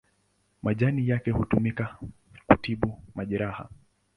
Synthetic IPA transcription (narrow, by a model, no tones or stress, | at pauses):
mʔaʄanijakɛhutumika | kutiɓumaʄɛɾaha̰